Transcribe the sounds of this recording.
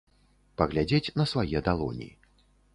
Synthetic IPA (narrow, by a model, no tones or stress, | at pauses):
pɐɣlʲad͡zʲet͡sʲnɐsvajɛd̪alˠɔ̰nʲḭi